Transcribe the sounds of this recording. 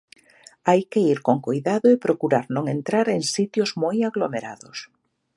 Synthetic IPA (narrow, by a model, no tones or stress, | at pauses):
ajkɪiɾkoŋkojðaðʊepɾokuɾaɾnõŋent̪ɾaɾeŋsit̪jozmojaɣlomeɾa̰ðʊs